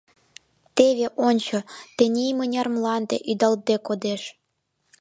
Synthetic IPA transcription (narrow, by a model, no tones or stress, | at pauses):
t̪eβeʔonʲt͡ɕŏt̪enʲejmɤ̆nʲɑrmlˠɑnd̪ḛʔyd̪ɑlt̪̚b̪ekod̪eʃ